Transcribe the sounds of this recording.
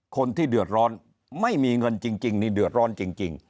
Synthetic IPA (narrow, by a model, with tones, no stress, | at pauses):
kʰo˧nt̪ʰiː˥˩dɯ˨˩ət̪̚ɾɔː˦˥n | ma˥˩jmiː˧ŋɤ˧nt͡ɕi˧ŋt͡ɕi˧ŋniː˧dɯ˨˩ə˩t̪̚ɾɔː˦˥nt͡ɕi˧ŋt͡ɕi˧ŋ